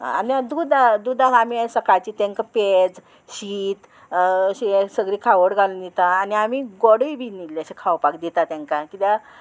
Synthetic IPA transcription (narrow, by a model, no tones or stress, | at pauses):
a̰niad̪ud̪ad̪ud̪ʱaamisəkajt͡ɕiːt̪ẽŋkaped͡z | ɕiːt̪ | ɕesəɡɾiːkʰaʋəɽɡʱalnit̪aːniamiɡɔɽəibʱinilːeəɕekʰawpakd̪it̪at̪jãŋkãkit̪ja